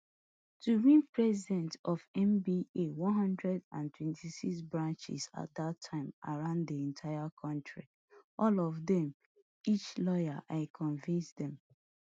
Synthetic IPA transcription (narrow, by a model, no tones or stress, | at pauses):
tuɹĩnpɹɛzidɛ̃ntɔfɛ̃mbiʔewɔ̃nɦʌ̃ndɹɛdãntwɛ̃ntʰisiksbɹãnt͡ʃḭsa̰t̚datʰãɪ̃ma̰ɹãʊ̃nddiɛ̃ntʰaɪakʰɔ̃ntɹi | ʔɔlɔvðɛ̃m | it͡ʃlɔja̰ʔaɪkʰɔ̃nvĩnsdɛ̃m